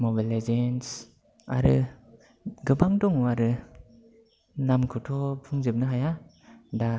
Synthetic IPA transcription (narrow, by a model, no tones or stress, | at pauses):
mɔbalezens | a̰ɾɯ | ɡɯbaŋdɔŋuaɾɯ | namkʰɯtʰɔpʰɯŋzɯp̚nɯɦaja | da